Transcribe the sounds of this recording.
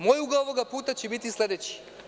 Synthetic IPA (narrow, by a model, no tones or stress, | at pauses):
moːjuɡaoʋoɡapuːt̪at͡ɕebit̪islʲe̞d̪et͡ɕi̥